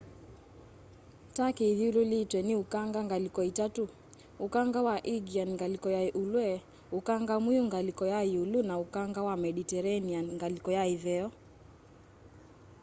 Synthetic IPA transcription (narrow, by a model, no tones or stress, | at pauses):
takiðiululitwɛniukaŋɡaŋɡalikɔitatu | ukaŋɡawaʔiɡianŋɡalikɔjaʔulwɛ | ukaŋɡamwiuŋɡalikɔjaiulunaukaŋɡawamɛɗitɛɾanianŋɡalikɔjaivɛɔ